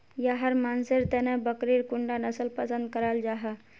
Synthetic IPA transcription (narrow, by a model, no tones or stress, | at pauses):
jaɦəɾmaːnsɪɾt̪enẽbəkɾiɾkʊɳɖanəsəlpəsə̃nd̪̚kəɾaːld͡ʒaːɦa